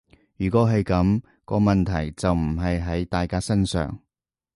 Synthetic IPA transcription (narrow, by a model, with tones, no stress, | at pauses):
jyː˨˩kʷɔː˨˥ɦɐ˨jkɐ˨˥m | kɔː˧mɐ˨nt̪ʰɐ˨˩jt͡sɐ˨wm̩˨˩ɦɐ˨jɦɐ˨˥jt̪aː˨jkaː˥sɐ˥nsœ̰ː˨˩ŋ